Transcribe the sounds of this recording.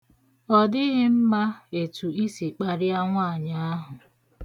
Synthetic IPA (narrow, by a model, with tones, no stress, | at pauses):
ɔ˨dɪ˦ɣɪ˦m̩˦ma˦e˨tu˨i˦si˨k͡pa˨ɾɪ˦a˦ŋʷa˦˨ɲa˦a˦ɦʊ˨